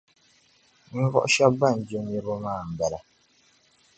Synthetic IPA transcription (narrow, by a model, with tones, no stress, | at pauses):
n̩˦vɔ̰˦ʔʃa˦bːa˦˨n̩˨d͡ʒo˦m˦je˦bo˦maː˦˨m̩˨bɛ˨la˨